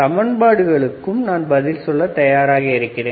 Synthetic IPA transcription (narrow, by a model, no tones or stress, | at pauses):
ɐmɐɳbaːɽɯɣɐɭɯkːɯmnaːnbɐðɪlsɔlːɐt̪ɐjaːɾaːɣɐɪɾɯkːɪreː